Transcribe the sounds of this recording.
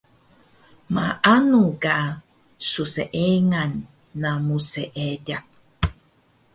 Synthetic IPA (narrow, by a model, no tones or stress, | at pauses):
maʔanuɡa | suseʔeŋanː | amuseʔeɟak̚